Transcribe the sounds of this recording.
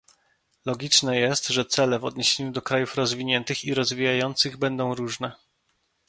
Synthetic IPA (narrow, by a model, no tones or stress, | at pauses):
lɔɡʲit͡ʂnɛjɛst̪ʐɛt̪sɛlɛvɔd̪ɲeɕeɲud̪ɔkɾajufɾɔzvʲiɲɛnt̪ɘxiɾɔzvʲijajɔnt̪sɘɣbɛnd̪ɔ̃w̃ɾuʐnɛ